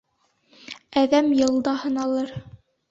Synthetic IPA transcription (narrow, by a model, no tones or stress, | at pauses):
æðæmjɤ̆lˠd̪ɑhɤ̆nɑlˠɤɾ